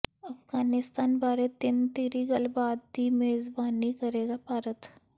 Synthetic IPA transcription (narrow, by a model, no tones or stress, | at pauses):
ɐfɡaːnɪst̪aːnbaːɾet̪ɪnt̪eːɾiɡɐlbaːd̪̚imeːzbaːnːikɐɾeːɡapaːɾət̪